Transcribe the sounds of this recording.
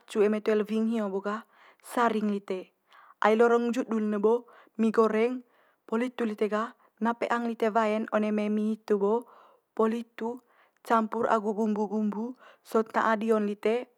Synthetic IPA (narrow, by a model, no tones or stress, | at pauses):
t͡ʃuɛmat̪uɛlviŋɦioboɡa | saɾiŋlit̪e | ʔa̰ilɔɾɔŋd͡ʒudulnəbo | miɡɔɾɛŋ | pɔlit̪ulit̪eɡa | napeʔaŋlit̪evaɛnɔnememiit̪ubɔ | pɔlit̪u | t͡ʃampuɾʔa̰ɡuɡumbuɡumbusɔt̪̚na̰ʔadiɔnlit̪e